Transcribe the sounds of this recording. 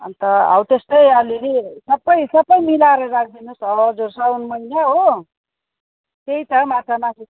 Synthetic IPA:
ʌnt̪ʌa̰wt̪est̪ʌjaleɾisʌbʌjsʌbʌjmilaɾʌɾak̚ʰd̪inusʌd͡zuɾsaunmʌinjaɦo | t̪eit̪ʌmat͡sanasi

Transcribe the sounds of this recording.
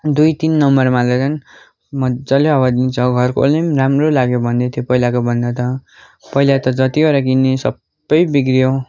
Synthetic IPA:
d̪ujt̪inːʌmʌrmalat͡sʌn | mʌd͡zʌleɦʌwad̪int͡sʰʌɡʱʌrkolemɾamrolaɡjobʱʌnd̪et̪ʰjopʌilakobʱʌnd̪at̪ʌ | pʌilat̪ʌd͡zʌt̪ioɾakinːesʌbːʌjbiɡɾijo

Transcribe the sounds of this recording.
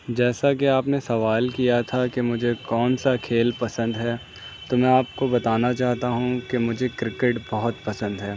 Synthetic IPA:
d͡ʒɛːsakeaːpnesɐʋaːlkijat̪ʰakemʊd͡ʒʱekɔːnsakʰeːlpɐsə̃nd̪ɦɛː | t̪omɛ̃ːaːpkobɐt̪aːnat͡ʃaːɦt̪aɦũkemʊd͡ʒʱekɾɪkeʈbɔɦʊt̪pɐsə̃nd̪ɦɛː

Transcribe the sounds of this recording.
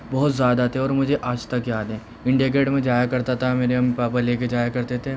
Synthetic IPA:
bɔɦʊt̪zjaːd̪at̪ʰeɔːɾmʊd͡ʒʱeʔaːd͡ʒt̪ɐkjaːd̪ẽː | ɪ̃ɳɖijaɡeːɽmẽd͡ʒaːjakɐɾt̪at̪ʰameːɾeɐmpaːpəɾleːk̬ed͡ʒaːjakɐɾt̪et̪ʰeː

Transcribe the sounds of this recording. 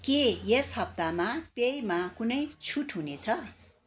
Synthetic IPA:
kejeshʌp̚t̪amapejmakunʌjt͡sʰuʈʰɦunet͡sʰʌ

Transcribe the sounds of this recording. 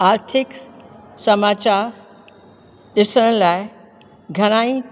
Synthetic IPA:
aːɾt̪ʰɪksɐmaːt͡ɕaːɾ | ɗɪsəɽ̃ə̃laːɪ | ɡʱɐɾ̃aːĩ

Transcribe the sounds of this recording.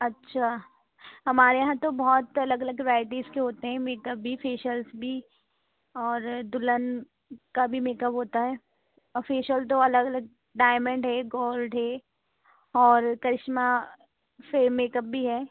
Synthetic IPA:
ɐtːʃʰaː | ɦɐmaːɾejɐɦãt̪obɔɦːt̪ɐləɡɐləɡɾaːɪʈiːzkeɦoːt̪eɦɛ̃meːkəp̚bʱifʰeːʃəlsbʱi | ɔːɾd̪ʊlən | kabʱimeːkəpɦoːt̪aɦɛː | əfeːʃəlt̪̬oɐləɡɐləɡ̚ | ɖaːɪmə̃ɳɖɦɛɡoːlɖɦɛ | ɔːɾkɐɾɪʃma | semeːkəp̚bʱiɦɛː

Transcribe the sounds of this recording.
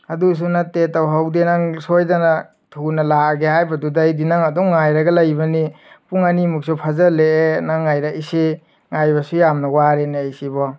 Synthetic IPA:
ɐdus̬unatetawɦawdenaŋsojdana | tʰunɐlaɡehajbɐdudajdinaŋɐdɔwŋajɾɐɡɐlajbɐni | puŋanimuk̚supʰazaleenaŋajɾaise | ŋajbasujamnɐwaɾeneejsibɔ

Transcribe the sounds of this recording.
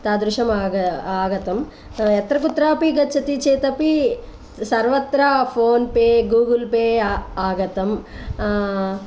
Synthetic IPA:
t̪aːd̪ɾuʃɐmaɐaːɡɐt̪ɐm | ɛt̪ɾɐkut̪ɾaːpiɡɐt͡ʃːɐt̪it͡ʃeːt̪ɐpi | sɐɾʋɐt̪ɾapʰoːnpeːɡuːɡɐlpeːaːɡɐt̪ɐm

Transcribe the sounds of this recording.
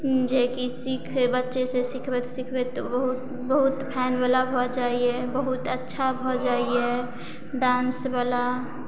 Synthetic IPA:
d͡ʒekisikʰbətːʃesesikʰbəsikʰbet̪obəɦut̪ | bəɦut̪pʰɛːnbalabʱod͡ʒaːiebəɦut̪ətːʃʰabʱod͡ʒaːie | ɖãːnsbala

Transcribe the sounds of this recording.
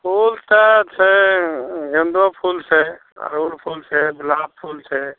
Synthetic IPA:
pʰult̪ət͡ʃʰɛ | ɡə̃nd̪ɾopʰult͡ʃʰɛ | a̰ɾuɽpʰulsʰɛblab̚pʰult͡ʃʰɛ

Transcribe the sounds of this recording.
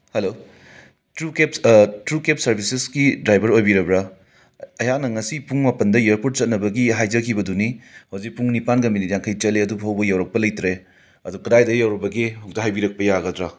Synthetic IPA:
helo | tɾukeptɾukep̚sɐɾbʱisesɡidɾajbɐɾojbiɾɐbɾɐ | ɐjanɐŋɐsipuŋmapɐndɐeɾpoɾt̚sɐt̚nɐbɐɡiɦajd͡ʒɐkʰibɐdunihawzik̚puŋnipankɐminitjaŋkʰɐjt͡ʃɐleɐdubɦɐwbɐjawɾɐk̚pɐlɐjtɾe | ɐdukɐdajdɐjawɾɐbɐɡihok̚tɐɦajbiɾɐk̚pɐjaɡɐdɾa

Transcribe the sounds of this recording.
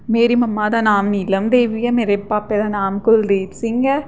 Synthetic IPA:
meːɾimɐmːaːd̪anaːmnilɐmd̪eːʋijɐmɛɾɐpːaːpːeðɐnaːmkʊld̪eːtsiŋɡɐ

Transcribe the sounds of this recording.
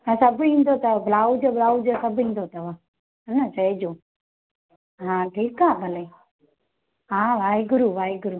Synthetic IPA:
ãsəbĩːnd̪oːt̪əblaːwd͡ʒoːblaːud͡ʒoːsəbɦĩn̆d̪oːt̪əʋaː | ɦənət͡ʃəed͡ʒoː | ɦãːʈiːkaːbʱəleː | ɦãːʋaːiɡʊɾuːʋaːiɡʊɾuː

